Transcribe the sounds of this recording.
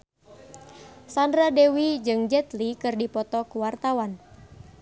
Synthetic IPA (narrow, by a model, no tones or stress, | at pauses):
sandɾadewid͡ʒɨŋd͡ʒɛt̪likɨrdipɔt̪ɔkuwart̪awan